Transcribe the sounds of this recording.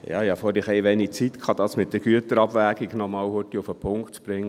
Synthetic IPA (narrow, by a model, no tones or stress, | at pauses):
jɑ̰ːhɑfoːɾɪχɛɪʋɛnikt͡sit̪kχɑd̪ɑːsmɪt̪̚d̥̪əɾɡ̥yət̪əɾɑbʋæːɡiɡnɔmɑːwhʊtiʊfəpʰʊŋktt͡sb̥ɾɪŋːə